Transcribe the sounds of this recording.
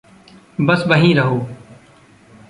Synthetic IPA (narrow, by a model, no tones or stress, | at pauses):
bəsʋəɦĩːɾəɦoː